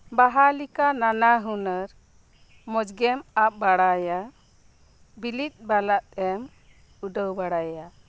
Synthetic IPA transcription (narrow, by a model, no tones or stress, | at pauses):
baɦalikananaɦunəɾ | mɔd͡ʒɡɛmap̚baɽaja | bilit̪̚ˀbalaʔ̪ɛm | uɖəwbaɽaja